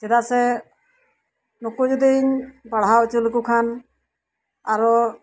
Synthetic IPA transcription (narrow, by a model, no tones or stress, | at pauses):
t͡ʃɛd̪asɛ | nukud͡ʒɔd̪iɲpaɽ̤ɦawt͡ʃulkukʰan | aɾɔ